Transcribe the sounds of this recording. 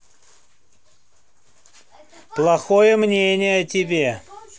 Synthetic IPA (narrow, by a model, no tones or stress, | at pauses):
plˠɐxo̞jəmnʲenʲɪjəɐtʲɪbʲe